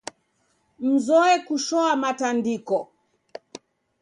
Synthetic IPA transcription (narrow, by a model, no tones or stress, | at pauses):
m̩zɔɛkuʃɔamatandikɔ